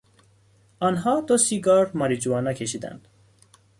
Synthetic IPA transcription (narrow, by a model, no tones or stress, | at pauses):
ɑnɦɑːd̪osiɡɑɾmɒɾid͡ʒuɑnakʰeʃid̪æ̰nd̪̥